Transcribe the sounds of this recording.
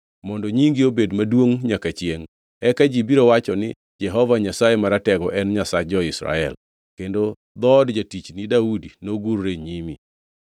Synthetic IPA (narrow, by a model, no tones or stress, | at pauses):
mɔndɔɲiŋɡiobedmadwoŋɲakat͡ʃjeŋ | ɛkad͡ʒibiɾowat͡ʃɔnɪ̰ | d͡ʒɛɦɔvaɲasajemaɾatɛɡɔʔɛnɲasad͡ʒɔɪsɾa̰ɛl | kendo | d̪ɔdd͡ʒatit͡ʃnidaudinoɡuɾɾeɲimḭ